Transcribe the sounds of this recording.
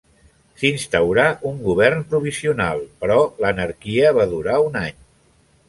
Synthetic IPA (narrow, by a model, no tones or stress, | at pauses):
sinst̪əwɾaʔuŋɡuβ̞ɛrnpɾuβisiuna̰lˠpɾɔlənəɾkiəβ̞aðuɾaunaɲ